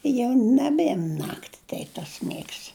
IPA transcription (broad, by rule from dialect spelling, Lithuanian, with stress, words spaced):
ɪ jɛʊ nɐˈbʲeːm ˈnɑːktʲɪ ˈtʲɛɪp tɐs ˈmʲeːks